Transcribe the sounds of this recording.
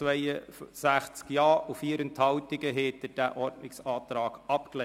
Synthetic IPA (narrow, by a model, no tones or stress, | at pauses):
ʋɛɪəsæχt͡skjɑːufiːəɾənt̪hɑwtɪɡəɦeːtəd̥æʔɔɾdnɪksɑːt̪ɾɑːɡ̥ɑpklɛ